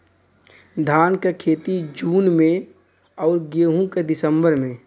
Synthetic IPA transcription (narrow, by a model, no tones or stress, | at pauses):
d̪ʱaːnkekʰeːt̪id͡ʒuːnmẽ | ɔːɾɡeːɦũked̪ɪsəmbəɾmẽː